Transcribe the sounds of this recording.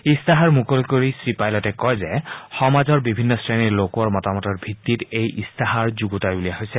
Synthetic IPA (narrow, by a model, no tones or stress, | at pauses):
istaɦaɹmukolkoɹisɹipajlɔtɛkɔjzɛxɔmazɔɹbibʱinːɔsɹeniɹlokwɔɹmɔtamɔtɔɹbʱitːitejʔḭstʰaɦaɹzuɡutajbulijaɦojsɛ